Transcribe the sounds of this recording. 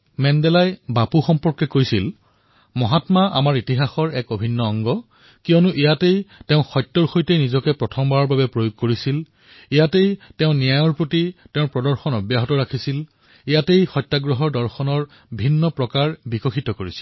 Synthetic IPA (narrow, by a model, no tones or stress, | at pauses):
mɛndɛlajbapuxɔmpɔɹkɛkojsil | mɔɦatmaʔa̰maɹitiɦaxɔɹɛkobʱinːɔɔŋɡɔ | kiɔnuʔijatejtɛ̃ʊ̃xɔjtːɔɹxojtejnizɔkɛpɹɔtʰɔmbaɔɹbabɛpɹojoɡ̚koɹisil | ijatejtɛʊ̃nijajɔɹpɹotitɛʊ̃pɹɔdɔɹxɔnɔbjaɦɔtɔɹakʰisil | ijatejxɔjtːaɡɹɔɦɔɹdɔɹxɔnɔɹ | bʱinːɔpɹɔkaɹbikɔxʰitɔkoɹisi̥l